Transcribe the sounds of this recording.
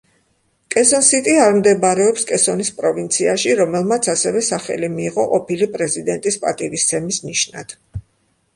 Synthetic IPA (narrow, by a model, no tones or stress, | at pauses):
kʼɛsɔnsit̪ʼiaɾmd̪ɛbaɾɛɔpskʼɛsɔnispʼɾɔvint̪sʰiaʃiɾɔmɛlˠmat̪sʰasɛvɛsaχɛ̰limiːʁɔqʼɔpʰilipʼɾɛzid̪ɛnt̪ʼispʼa̰t̪ʼivist̪sʰɛmisniʃna̰d̪̥